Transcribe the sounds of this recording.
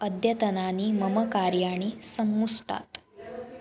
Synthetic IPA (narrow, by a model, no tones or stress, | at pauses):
əd̪ʱjət̪ənaniːməməkaɾjaɳ̃iːsəmːusʈa̰t̪